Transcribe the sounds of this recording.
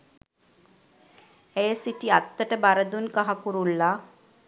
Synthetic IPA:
ejəsiʈiat̪ːəʈəbaɾəd̪unkaɦakuɾulːa

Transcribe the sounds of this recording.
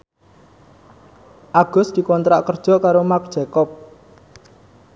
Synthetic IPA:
ʔaɡ̥ʊ̤sd̪̥i̤kɔnt̪ɾaʔkərd̥ʒ̥ɔ̤kaɾomak̚d̥ʒ̥ɛ̤kɔp̚

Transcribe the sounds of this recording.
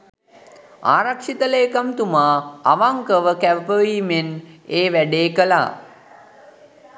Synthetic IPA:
a̰ːɾakʂit̪əleːkamt̪umaːaʋaŋkəʋəkæʋəpəʋiːmeneːʋæɖeːkəla̰ː

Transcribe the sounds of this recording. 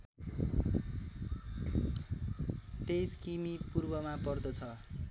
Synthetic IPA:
t̪eskimipurbʌmapʌrd̪ʌt͡sʰʌ

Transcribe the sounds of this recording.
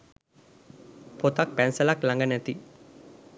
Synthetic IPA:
pot̪ak̚pɛnsɐlaklaŋɡɐnɛt̪i

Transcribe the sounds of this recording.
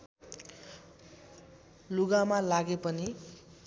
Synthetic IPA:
luɡamalaɡepʌni

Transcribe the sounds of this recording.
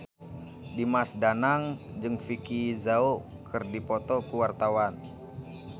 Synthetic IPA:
dimasdanaŋd͡ʒɨŋfikizao | kʰɨrdipɔt̪ɔkuwart̪awan

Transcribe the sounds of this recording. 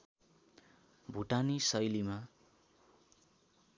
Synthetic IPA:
bʱuʈanisʌjlima

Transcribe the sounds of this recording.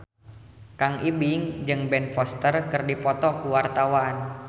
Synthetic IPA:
kaŋʔibiŋd͡ʒɨŋbɛnfɔst̪ərkɨrdipɔt̪ɔkuwart̪awaːn

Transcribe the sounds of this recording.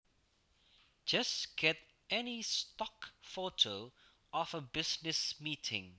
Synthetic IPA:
d͡ʒʌstɡ̥ɛt | ɛnistɔkfotʰo | ɔfəbɪsnɪsmiːtʰɪ̰̃ŋ

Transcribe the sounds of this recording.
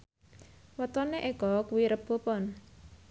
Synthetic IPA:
wɔt̪ɔneʔeɡ̥ɔkuwiɾəb̥o̤pɔn

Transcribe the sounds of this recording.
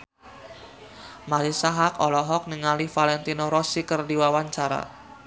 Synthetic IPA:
maɾisaɦakɔlɔɦɔk̚niŋalifalɛnt̪inoɾɔsikərdiwawaɲt͡ʃaɾa̰

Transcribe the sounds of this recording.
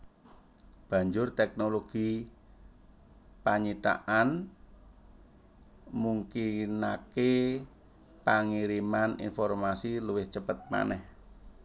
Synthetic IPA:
b̥ä̤ɲd͡ʒʊrt̪ɛk̚noloɡ̥i | paɲit̪a̰ʔan | muŋkinake | paŋiɾimanḭnfɔrmasiluwɪht͡ʃəpət̪̚ma̰nɛh

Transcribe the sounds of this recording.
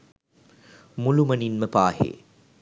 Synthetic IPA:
mulumɐninməpaːhḛː

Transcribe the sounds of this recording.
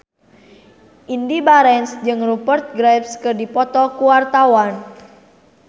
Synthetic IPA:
ʔindibaɾɛnsd͡ʒɨŋrubərt̪̚ɡɾɛpskərdipɔt̪ɔkuwart̪awan

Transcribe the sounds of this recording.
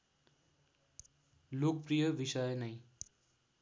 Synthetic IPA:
lok̚pɾijʌʋisʌjnʌj

